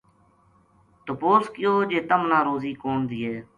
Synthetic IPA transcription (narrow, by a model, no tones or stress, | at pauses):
t̪ʊpoːskɪjoːd͡ʒeːt̪əmnãːɾoːziːkoːnd̪iːɦeː